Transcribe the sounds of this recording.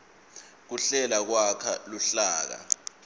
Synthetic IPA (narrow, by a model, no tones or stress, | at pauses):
k̬uɬɛlak̬wakʰaluɬaːk̬a̰